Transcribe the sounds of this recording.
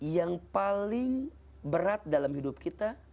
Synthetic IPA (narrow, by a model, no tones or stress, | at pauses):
jaŋpalɪŋ | bəɾat̪̚dalamhidʊp̚kʰit̪a